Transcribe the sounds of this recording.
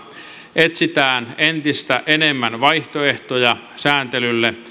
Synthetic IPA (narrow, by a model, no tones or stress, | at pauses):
ʔet̪sit̪æːnent̪ist̪æʔenemːænʋɑiht̪oeht̪ojɑ | sæːnt̪elylːe